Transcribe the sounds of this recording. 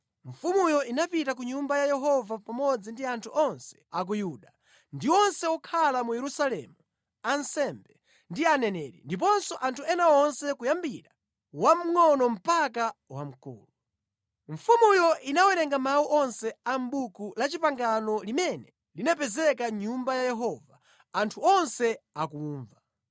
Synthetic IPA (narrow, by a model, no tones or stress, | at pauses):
ɱfumujɔʔinapitak̬uɲumbajajɛɦɔvapamɔd͡zindiantʰuʔɔnsɛ̥ak̬ujuɗa | ndiwɔnsɛwɔkʰalamujɛɾusalɛ̰mu | ansɛmbɛ | ndianɛnɛːɾḭndip̬ɔnsɔʔantʰuɛnawɔnsɛkujambiɾa | wam̩ŋɔnɔm̩pakawam̩kṵːlu | ɱ̩fumujɔʔinawɛɾɛŋɡamawuʔɔnsɛambukulat͡ʃipaŋɡanɔlimɛnɛ | linɛp̬ɛzɛkaɲumbajajɛɦɔvaː | ntʰuɔnsɛakuːɱva